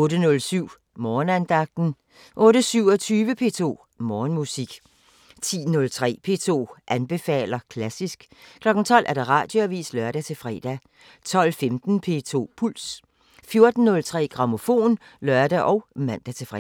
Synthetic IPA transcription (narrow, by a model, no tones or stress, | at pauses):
ɔ̽ːɾənɔ̽lsyʊ̰ | mɒːnænd̥ɑ̈ɡ̥̚d̥n̩ | ʔɔ̽ːɾəsyʊ̰ɒt͡sʰyːʋəpʰe̝̰ːt͡sʰo̝̰ː | mɒːnmusiɡ̥ | t͡sʰḭːnɔ̽lt͡sʰʁɛ̰ːpʰe̝̰t͡sʰo̝̰ːʔænb̥e̝fɛ̰ːlɐkʰlæsisɡ̥kʰlɒ̽ɡ̥n̩t͡sʰɒ̽l̰ʔæɐɾ̥ɑ̈ʁɑ̰̈ːd̥joæʋḭːslœɐɾ̥æt͡sʰe̝fʁɛ̰ːd̥æ | t͡sʰɒ̽l̰femd̥n̩pʰe̝t͡sʰo̝̰ːpʰul̰s | fjo̝ɐd̥n̩ːɔ̽lt͡sʰʁɛ̰ːɡ̥ʁɑ̈mo̝fo̝̰ːnlɶɐd̥æʔɒ̽ʊmæn̰d̥æt͡sʰe̝fʁɛ